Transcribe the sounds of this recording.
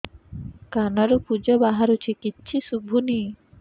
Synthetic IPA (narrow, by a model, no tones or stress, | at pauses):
kanaɾopud͡ʑabaɦaɾot͡ɕʰikitːɕʰiʃubʱːuni